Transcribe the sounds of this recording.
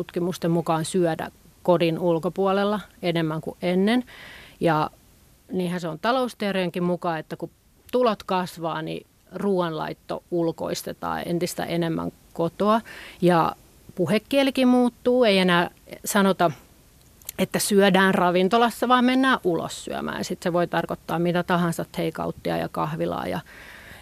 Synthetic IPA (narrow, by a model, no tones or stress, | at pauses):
ut̪kimust̪emmukɑːnsyœdæ̰ | kodinulkopuɑlelːɑenemːæŋkṵʔʔenːenjɑ | niːhænseont̪ɑloust̪iereeŋkimmukɑːet̪ːæku | t̪ulot̪kɑsʋɑːnḭ | ruːɑnlɑ̰it̪ːo̰ulko̰ist̪et̪ɑ̰ːḛnt̪ist̪æ̰ʔenemːæ̰ŋ | kot̪oɑjɑ | puhekːiælikimuːt̪ːuːeienæːsɑnot̪ɑ | et̪ːæsyœdæːnrɑʋint̪olɑsːɑʋɑːmmenːæːʔʔulo̰sːy̰æ̰mæ̰ːjɑsit̪seʋoit̪ɑrkot̪ːɑːmmit̪æt̪ɑhɑnsɑt̪heikɑ̰ut̪ːiɑ̰jɑ̰kɑhʋilɑ̰ːjɑ̰